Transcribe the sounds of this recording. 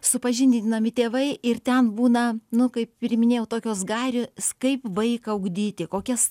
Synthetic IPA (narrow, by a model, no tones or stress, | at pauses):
sʊpɐʒʲɪnʲdʲnɐmʲɪt̪ʲeːʋɐɪʔɪrt̪ʲɛnbuːnɐnʊkɐɪppʲɪɾʲmʲɪnʲeːjɛʊt̪oːkʲoːsɡɑːɾʲoːskɐɪpʋɐɪkɐʊɡd̪ʲiːt̪ʲɪkoːkʲɛs